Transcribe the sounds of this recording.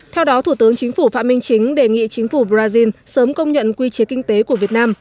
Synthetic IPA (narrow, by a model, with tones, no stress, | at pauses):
t̪ʰɛ˧wɗɔ˨˦t̪ʰu˧˩t̪ɨ˨˦əŋt͡ɕï˨˦ŋ̟fu˧˩faː˧˥t̚mï˧ŋ̟t͡ɕï˨˦ŋ̟ɗe˧˨˩ŋḭ˧˨t͡ɕï˨˦ŋ̟fu˧˩ɓzaː˧zi˧nsəː˨˦mkə˧wŋ͡mɲə̰˧˨nkwi˧t͡ɕi˨˦kï˧ŋ̟t̪e˨˦ku˧˩əvi˨˩ət̚naː˧m